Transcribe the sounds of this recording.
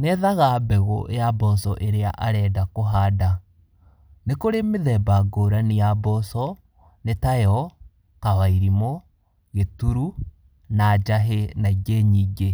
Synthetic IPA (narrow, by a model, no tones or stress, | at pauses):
nɛðaɣabɛɣɔjabɔsɔʔeɾea̰ʔa̰ɾɛːdakoɦada | nekoɾemeðɛbaɡoːɾanijabɔsɔ | netajɔ | kawaiɾimɔ | ɣetuɾu | nad͡ʒaɦenaɡeɲiɡe